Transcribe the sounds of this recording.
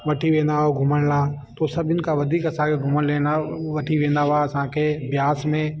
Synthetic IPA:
ʋɐʈʰiʋẽːnd̪aɦoɡʱʊməɽlaː | t̪osɐbɪnkaʋɐd̪ʱiːkɐsãːkʰeɡʱʊməɽlẽːnaʋɐʈʰiʋẽːn̆d̪aʋaɐsãːkʰebjaːsmẽ

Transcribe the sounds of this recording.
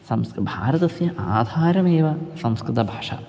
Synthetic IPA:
sɐmskbʱa̰ːɾɐt̪ɐsjɐʔaːd̪ʱaːɾɐmeːʋɐsɐmskɾɨt̪ɐbʱaːʂa̰

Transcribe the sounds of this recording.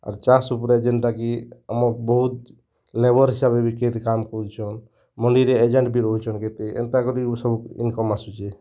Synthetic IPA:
a̰ɾt͡ʃasupɾed͡ʒeɳʈɾakiə̰mɔɾbɔɦut̪ | lebɔɾɦisabebiket̪kamkɔɾut͡ʃʰɔn | məɳɖiɾeed͡ʒeɳʈbʱiɾoit͡ʃʰɔnket̪eḛnt̪akɔɾisəbukḭnkɔmasut͡ʃʰe

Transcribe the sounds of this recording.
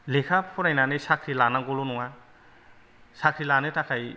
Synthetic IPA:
lekʰapʰɔɾajnanesakʰɾilanaɡɔlunɔŋa | sakʰɾilanetʰakʰaj

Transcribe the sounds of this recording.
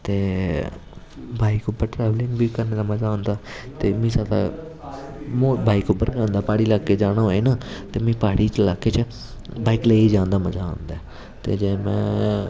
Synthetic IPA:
t̪eː | bʱaːiːkʊbəɾʈɾɛːʋlɪ̃ŋɡbiːkəɾneːd̪aːməzaːɦõːnd̪aːt̪eːmĩːsat̪a̰ː | moːbʱaːiːkʊbəɾɡãːnd̪aːpaːɽiːlaːkːeːd͡ʒaːɽ̃aːɦoːeːnaːt̪eːmĩːpaːɽiːt͡ʃlaːkeːt͡ʃ | baːiːkleːiːd͡ʒãːnd̪aːməzaːõ̰nd̪aː | t̪ḛːd͡ʒeːmɛ̰̃ː

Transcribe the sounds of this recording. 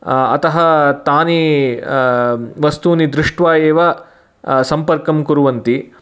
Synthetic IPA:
ɐ̰t̪ɐɦɐt̪aːni | ʋɐst̪unid̪ɾɪʂʈʋaːjeːʋɐ | sɐmpɐɾkɐmkuɾuʋɐnt̪i

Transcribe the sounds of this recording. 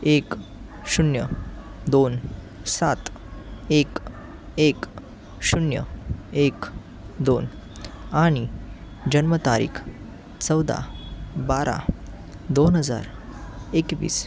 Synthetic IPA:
ek | ɕunjəd̪on | sat̪ek | ek | ɕunjə̰ek | d̪on | aɽ̃i | d͡ʑənmət̪aɾḭːkʰ | t͡səwd̪a̰baɾa̰ | d̪onɦəd͡za̰ɾekʋḭːs

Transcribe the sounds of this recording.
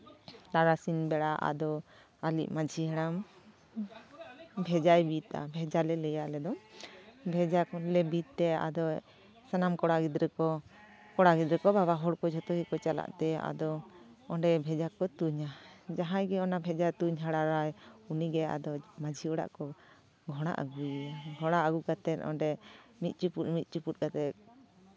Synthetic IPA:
laɾasinbɛɽaʔa̰d̪ɔ | alḭʔmad͡ʒʱiɦɛɽam | bʱɛd͡ʒajbit̪a̰bʱɛd͡ʒalɛlɛjaʔlɛd̪ɔ | bʱɛd͡ʒaklɛbit̪t̪ɛa̰d̪ɔ | sanamkɔɽaɡid̪ɾɛkɔ | kɔɽaɡid̪ɾɛkɔbaβaɦɔɽkɔd͡ʒʱɔt̪ɔhikɔt͡ʃala̰ʔt̪ɛa̰d̪ɔɔɳɖɛbʱɛd͡ʒakɔt̪uɲad͡ʒaɦãjɡɛɔnabʱɛd͡ʒat̪uɲɦaɽaɾajuniɡɛa̰d̪ɔmad͡ʒʱiɔɽa̰ʔkɔ | ɡʱɔɽ̃a̰ʔa̰ɡujɛɡʱɔɽ̃aʔaɡukat̪ɛt̪̚ɔ̰ɳɖɛmit̪̚ˀt͡ʃupumit̪̚ˀt͡ʃuput̪̚ˀkat̪ɛt̪̚

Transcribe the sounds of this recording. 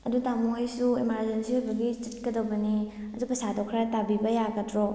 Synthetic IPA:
ɐdutamuojsuimaɾzensihojbɐɡit͡ʃit̚kɐdɐwbɐni | ɐzupɐsadokʰɾatabibɐjaɡɐtɾo

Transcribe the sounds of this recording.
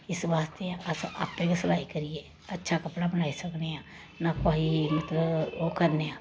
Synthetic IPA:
ɪsʋaːst̪eãʔɐsʔa̰ːpːẽkesəlaːikəɾieː | ɐtːʃʰakɐpɽabənaːisəkneã | nakoːɦimɐt̪ləbokɐɾneãː

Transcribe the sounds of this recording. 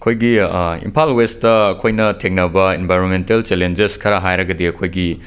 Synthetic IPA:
ɐkʰojɡiḭmpʰalwestɐɐkʰojnɐtʰeŋnɐbɐenbʱajɾonmentelt͡ʃelend͡ʒeskʰɐɾɐɦajɾɐɡɐdiɐkʰojɡi

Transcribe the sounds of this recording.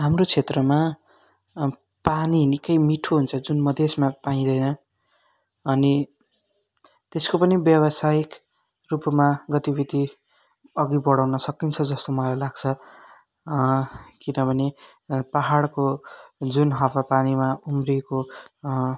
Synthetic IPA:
ɦamrot͡sʰet̪rʌma | paninikʌjmiʈʰoɦunt͡sʰʌd͡zunmʌd̪ʱesmapaĩd̪ʌjnʌ | ʌni | t̪eskopʌnibjʌbʌsajik | rupmaɡʌt̪ibʱit̪i | ʌɡibʌɽawnʌsʌkint͡sʰʌd͡zʌst̪omʌalajlaɡt͡sʰʌ | kinʌbʱʌne | paɦaɽkod͡zunɦʌpapanimaumriko

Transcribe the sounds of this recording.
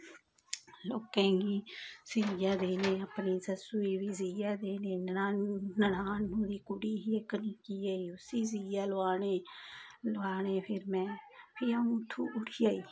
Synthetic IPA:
loːkɛ̃ːɡiːsijaːd̪eːneːəpniːsəsuːiːʋiːziːjaːd̪eːneːnanənaːnːũːd̪iːkʊɽiːɦiːekəniːkiːaːiːʊsiːziːjaːlʊʋaːneːloaːneːpʰɪɾmɛ̃ːpʰiːaːũːt̪ʰːuːʔʊʈʰijaːiː

